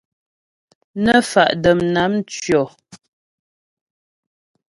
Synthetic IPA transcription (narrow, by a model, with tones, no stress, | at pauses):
nə˦fa̰˨ʔdə˨mna˨˦mt͡ʃɥjɔ˨